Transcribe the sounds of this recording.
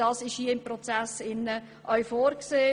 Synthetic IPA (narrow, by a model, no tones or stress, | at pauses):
ɑːsɪʃhiəɪmpɾɔt͡sæsɪnːə | ʔœɥfoːɾkseː